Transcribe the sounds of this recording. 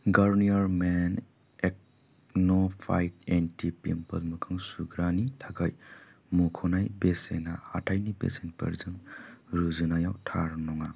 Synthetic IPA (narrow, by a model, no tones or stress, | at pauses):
ɡaɾniaɾmen | ek̚ | nopʰajtentipimpɐlmɯkʰɯŋsuɡɾanitʰaɡaj | mukʰɔnajbesenaa̰tʰajnibḛsenpɐ̰ɾzɯŋɾuzɯnajawtʰaɾnɔŋa